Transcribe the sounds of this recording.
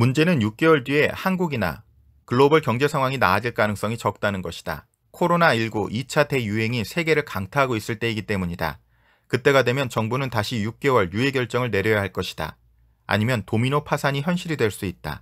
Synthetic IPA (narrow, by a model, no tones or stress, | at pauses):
mund͡ʑe̞nɯnjuk̚k͈e̞wʌɭdie̞hanɡuɡina̰ | kɯɭːobɯɭkjʌŋd͡ʑe̞sʰaŋɦwaŋina̰ːd͡ʑiɭk͈anɯŋs͈ʌŋit͡ɕʌk̚t͈anɯnɡʌɕʰi̥d̥a̰ | kʰoɾonaiɭɡoʔit͡ɕʰade̞juɦe̞ŋisʰe̞ɡe̞ɾɯɭkaŋtʰaɦaɡois͈ɯɭt͈e̞iɡit͈e̞muɲida̰ | kɯt͈e̞ɡadwe̞mjʌnt͡ɕʌŋbunɯntaɕʰijuk̚k͈e̞wʌɭjue̞ɡjʌɭt͡ɕ͈ʌŋɯɭne̞ɾjʌjaɦaɭk͈ʌɕʰi̥d̥a̰ | a̰ɲimjʌntominopʰasʰaɲiçjʌnɕ͈ʰiɾidwe̞ɭs͈uit̚t͈a̰